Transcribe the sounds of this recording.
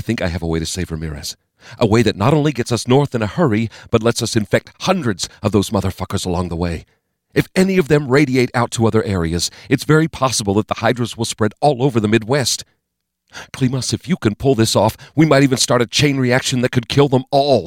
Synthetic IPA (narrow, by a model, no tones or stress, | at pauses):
ɪθɪ̃ŋkaɪɨvəweɪɾɨseɪvə˞mɪ̰ɹɨ̰s | ʔəweɪðɨtⁿnəɾõʊ̃nliɡɛtsʌsnɔɹθɨ̃nəhɜ˞ib̥ʌtˡlɛtsʌsɨ̃ɱfɛk̚t̚hʌ̃ndɹɨdzʌvðoʊzmʌðə˞fʌkə˞zəlɔ̃ŋðəweɪ | ɨfɛniʌvðɨ̃mɹeɪɾieɪɾaʊtʰəʌðə˞ʔɛɹiɨzɨtsvɛɹipʰɑsəbl̩ˠðət̪̚ðəhaɪdɹoʊzwəlˠspɹɛɾɔlˠoʊvə˞ðəmɪd̚wɛst | kʰl̥iməsɨfjɨkɨ̃npʰʊlˠðɪsɔfwimaɪɾivɨ̃nstɑɹɾɨt͡ʃʰẽɪ̃nɹiækʃɨ̃nðɨt̚kʰɨd̚kʰɪlˠðə̃mɔlˠ